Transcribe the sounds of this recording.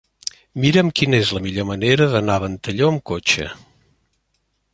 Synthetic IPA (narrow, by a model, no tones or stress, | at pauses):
miɾəmkinəezləmiʎoməneɾəðənaβənt̪əʎoəmkot͡ʃə̰